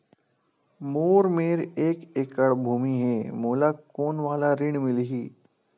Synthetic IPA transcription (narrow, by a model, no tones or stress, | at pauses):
moːɾmeːɾeːkekəɽbʱuːmiɦɛːmoːlakoːnʋaːlaɾɪɳ̃mɪlɦiː